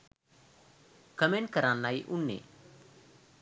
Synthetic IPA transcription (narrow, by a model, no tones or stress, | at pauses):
kəmẽːɳʈ̚kəɾãːnːaːiʔʊnːḛː